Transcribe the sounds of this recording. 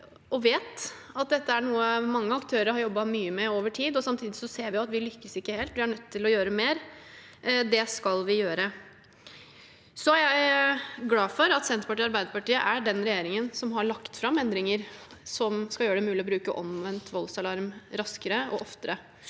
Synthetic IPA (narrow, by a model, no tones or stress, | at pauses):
ɔʋeːt̪ | ɑt̪̚d̪ɛt̪ːəæɳuːəmɑŋːəɑkt̪ʰøːɾəɾhɑɾjɔbːɑmyːəmɛoːʋəʈʰiːd̪ɔsɑmt̪ʰiːd̪ɪsɔseːɾʋɪʊɑt̪ʋɪlʏkːəsɪkːəheːlt̪ʋɪhɑɳœt̪ʰːɪlɔjøːɾəmeːɾ | d̪ɛskɑlʋɪjøːɾə | sɔæjæɪɡlɑːfɔɾɑt̪sɛnt̪ɾpɑʈiːɑɾbæɪd̪əɾpɑʈiːəʔæɖɛnɾɛjeːɾɪŋənsɔmɦɑɭɑkt̪fɾɑmɛnd̪ɾɪŋəɾsɔmskɑjøːəɖɛmʉːlɪɔbɾʉːkəʔɔ̰mʋɛnt̪ʋɔlsɑlɑɾmɾɑskəɾəɔ̰ʔɔft̪əɾə